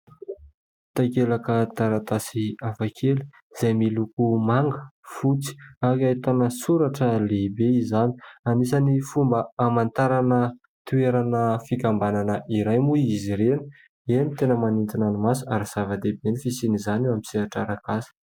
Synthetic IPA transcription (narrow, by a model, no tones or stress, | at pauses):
t̪akelakət̪aɾat̪asiafakʰeli | z̥ajmilukumaŋɡəfut͡si̥akait̪anəsuɾaʈ͡ʂəlebeizani̥anisanifumbəamant̪aɾanə | t̪ueɾanəfikambananəʔiɾajmuiiziɾeni̥ | enit̪enəmanint̪inanimasuaɾaz̥avəd̪ebenifisinizaneamisiaʈ͡ʂaɾakasə̥